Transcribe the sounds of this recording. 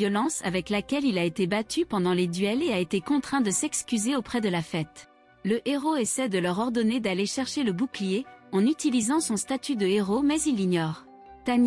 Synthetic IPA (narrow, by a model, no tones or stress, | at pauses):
jɔlɑ̃sa̰vɛklakʲɛlilaet̪ebat̪ʰypɑ̃d̪ɑ̃led̪ɥɛleaet̪ekɔ̃t̪χɛ̃d̪əsɛkskʲyzeopχɛd̪əlafɛt̪ | ləʔeʁoesɛd̪əlœʁɔʁd̪ɔned̪aleʃɛʁʃeləbuklijeɑ̃nyt̪ilizɑ̃sɔ̃st̪at̪yd̪əeʁomɛzilːiɲɔːʁ | t̪an